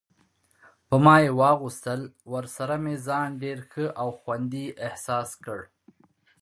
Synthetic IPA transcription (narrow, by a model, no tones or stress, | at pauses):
pəmɑjewɑɣust̪əlwəɾsaɾamezɑnɖeɾxəʔawxwand̪iʔɪhsɑskəɽ